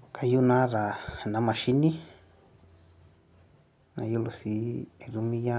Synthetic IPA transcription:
ka˧ju˦nã˦ða˨nã˨˦mã˨ʃi˦nĩ˦ | nã̰˧ju˦lo˨si˧˦˧ɾu˧mĩ˦ja˦

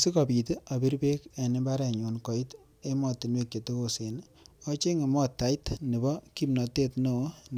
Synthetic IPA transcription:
si˦kɔ˨pi˨te˦a˨bi˦ɾbe˦ke˨ni˦ba˦ɾɛ˨ɲu˨nkɔ˨i˦t | e˦mɔ˨tːi˨nwe˦˨k̚t͡ʃe˨te˦ko˨se˨n | ɔ˦t͡ʃe˦ŋi˨mɔ˦tːa˨jtni˨bɔ˦ki˦pnɔ˨te˦tno˨˦n

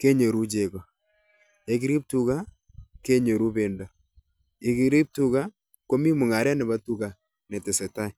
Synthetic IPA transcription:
ke˦ɲe˨ɾu˦d͡ʒe˨kɔ˨ | e˨ki˦ɾi˦p̚tu˨ka˦ | ke˦ɲe˨ɾu˦be˨ndɔ˨ | e˨ki˦ɾi˦p̚tu˦ka˦ | ko˦mi˦mu˨ŋa˨ɾɛ˦nɛ˨ba˦tu˦ka˨ | nɛ˨tɛ˨sɛ˨ta˦j

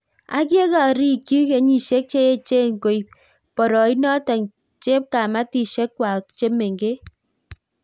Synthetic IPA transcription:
a̰˦k̬je˦ka˨ɾi˦˨ki˦ke˨ɲi˨ʃe˦k̚t͡ʃe˦e˦t͡ʃe˦˨ŋ̩˨ko˨i˨p̚ | pɔ˨ɾɔ˨i˦nɔ˦tɛ˨ŋ | t͡ʃe˦p̚ka˨ma˦ti˨ʃe˦kːwa˨kt͡ʃe˦me˨ŋɡe˦

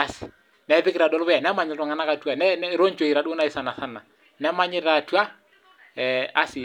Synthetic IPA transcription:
a˨s | nɛ˨ɛ˦ðɪ˦kiɾa˨dɔ˦lɔ˦βɛ˦ja˨na˦ma˨ɲi˨ɾɔ˨ŋa˨na˦ka˨tua˨nɛnɛ˦ɾo˦ɲ˦t͡ʃo˨i˨ɾa˨do˦na˦i˦sa˨na˨θa˦na˨ | nɛ˦ma˦ɲɪ˦ɾa˨tu˦a˦ | a˦si˨

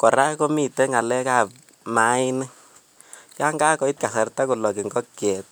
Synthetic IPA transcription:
kɔ˨ɾa˦ko˦mi˨tɛ˦ŋa˨lɛ˦ka˨p̚ | ma˨˦ɪ˦ni˦ | ja˦ŋɡa˦kɔ˨˦i˦t̚ka˨sa˨ɾta˦ku˨lɔ˨ki˨ŋɡɔ˦kjɛ˨t̚

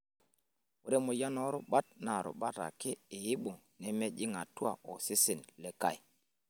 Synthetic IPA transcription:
wu˦ɾe˦mu˨ja˦nɔ˦ɾʊ˦ɓa˦t̚na˨ɾʊ̰˨ɓa˦ta̰˨kɪ˦i˨ji˦ɓu˨ŋ | nɛ˦me˦d͡ʒi˦ŋa˨tu˦a̰˨ɔ˨si˦si˨nle˦ka̰˦˨j

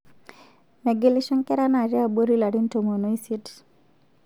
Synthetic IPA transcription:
mɛ˨ɡe˨li˦ʃɔ˦nkɛ˦ɾa˦na˦˨ɾja˦˨bo˦ɾi˦la˨ɾi˦nto˨mo˨no˦i˦si˦t

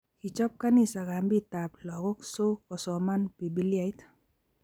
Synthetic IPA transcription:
ki˨t͡ʃɔ˦p̚ka˦ni˦sa˨ɡa˨mbi˦ta˨plɔ˨ɡɔ˦kso˦ɔ˨sɔ˨ma˦npi˨bi˦lja˨ɪ˦t

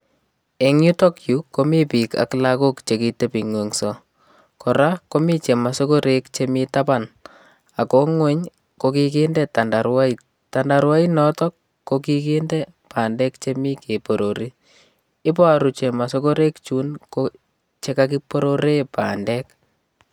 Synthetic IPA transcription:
e˨ŋu˦tɔ˦kjuko˦mi˦pika̰˨klako˦kt͡ʃeki˨te˦pi˨ŋwe˨ŋsɔ | kʰɔɾako˦mi˦t͡ʃe˨ma˨so˦ko˦ɾʔe˦kt͡ʃemitapan | a˨ko˦ŋwɛ˦ɲ | kokikendɛta˨nda˨ɾwa˦i | tanda˨ɾwa˦inɔtɔ˦kː | oki˦ke˦ndɛ | paː˨ndɛ˦kt͡ʃemi˦ke˨po˨ɾoɾi˦ | ɪ˦p̬a˦ɾut͡ʃe˨ma˨soko˦ɾe˦kt͡ʃu˦nko | t͡ʃe˦kak̬i˦poɾoɾe˦pa̰ːndɛ˦k

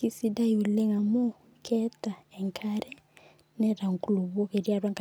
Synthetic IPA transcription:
ki˦si˦da˦iu˨lɛ˦ŋa˨mo˦ | kʰɛ˦ta˨ɛ˨ŋkʰaɾɛ˦ | nɛ˦ɾa˨ŋku˨lu˨βɔ˦ke˨ɾja˦ɾwa˦ŋka

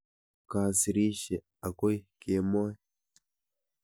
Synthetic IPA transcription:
ka˨si˨ɾi˦ʃe˨ | a˨ko˦jke˨˦mo˦

